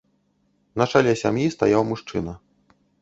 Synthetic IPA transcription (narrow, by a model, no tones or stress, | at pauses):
nɐt͡ʂalʲɛsʲamjist̪ajawmuʂt͡ʂɨ̰nɐ